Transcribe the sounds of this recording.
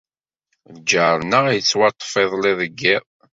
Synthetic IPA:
d͡ʒəɾnəʁjət͡sːwɑt̪ˤːə̥feðˤlɪðəɡːɪʁ

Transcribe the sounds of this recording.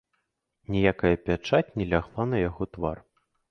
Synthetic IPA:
nʲɛjakɐjɐpʲat͡ʂat͡sʲnʲɛlʲaɣlˠanɐjaɣɔt̪var

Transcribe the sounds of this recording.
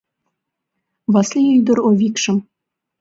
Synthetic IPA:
βɑslʲiyjd̪əɾovʲikʃə̆m

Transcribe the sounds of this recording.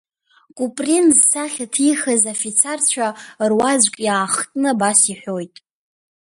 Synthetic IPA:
kʷʼupʼrinzsaχʲatʰiχəzafit͡sʰart͡ɕʷʰarwazʷkʼjaːχtʼnɨbasiħʷᶣojtʼ

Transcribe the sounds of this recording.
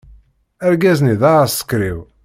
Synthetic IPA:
æɾɡæzniðaəsə̥kːɾiw

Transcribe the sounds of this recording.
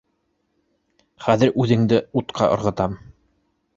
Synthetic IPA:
χæðɘɾʔʉðɘ̆ŋd̪ɘut̪qʰɑ̰ʔŏ̰ɾʁɤ̆t̪ɑm

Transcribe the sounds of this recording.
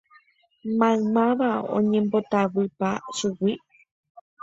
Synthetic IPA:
mãmãʋaõ̰ɲẽmbo̞t̪aʋɨpaʃuwi

